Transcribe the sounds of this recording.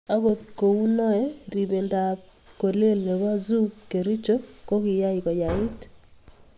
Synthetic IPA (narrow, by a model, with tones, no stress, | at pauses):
a˦ɣo˨t̪ko˨u˦nɔ˦ɛ˦ɾi˨βe˨nda˨p | ko˨le˦lne˨ɣa˦zu˦ke˨ɾi˦t͡ʃo˦ko˦kɪ˨ja˦i˨kɔ˨ja˨i˦t